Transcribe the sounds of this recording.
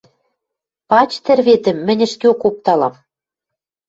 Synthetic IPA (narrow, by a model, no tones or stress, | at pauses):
pɑt͡ɕt̪ɘ̆rβet̪ɘ̆mːɘ̆nʲɘ̆ʃk̪eokop̚t̪ɑlɑ̰m